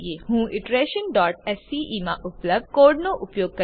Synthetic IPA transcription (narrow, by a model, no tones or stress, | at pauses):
jeːɦũːʔɪʈɾeːʃənɖɔːʈɛsiːʔimãʔʊpləb̪̚koːɾɖnoʔʊpjoːɡ̚kɐ